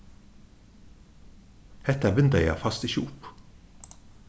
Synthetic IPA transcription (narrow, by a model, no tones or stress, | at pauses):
hɛt̪əæbʏnd̪əjæ̰ːfɑst̪iːʃṵːp